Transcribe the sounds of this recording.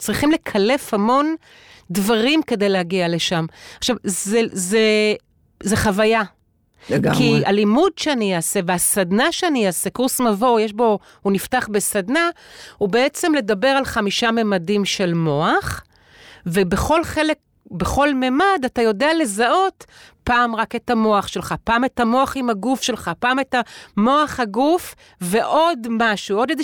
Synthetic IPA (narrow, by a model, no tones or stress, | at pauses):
t͡sʁiχimle̞kʰale̞fhamo̞n | dvaʁimke̞dejlehaɡiale̞ʃamaχʃavzeze | zeχavaja | ɡkia̰limudʃeaniaːse̞veasadnaʃeaniasekuʁsnavo̞jeʃbo̞ | huniftaχbe̞sadnahube̞et͡se̞mle̞dabe̞ʁalχamiʃamemadimʃe̞lmo̞aχ | vebe̞χo̞lχe̞le̞k̚ | be̞χo̞lmemadatajo̞deale̞zaʔo̞tpaːmʁake̞tamo̞aχʃe̞lχapaːme̞tamo̞aχimhaɡufʃe̞lχapaːmetamo̞aχhaɡuf | ve̞ʔo̞dmaʃuo̞djed